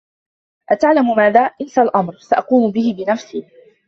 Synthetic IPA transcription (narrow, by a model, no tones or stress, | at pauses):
ʔat̪aʕlamʊmaːðaːʔɪlsalʔɑmɾsaʔɑquːmʊbɪhɪbɪnafsiː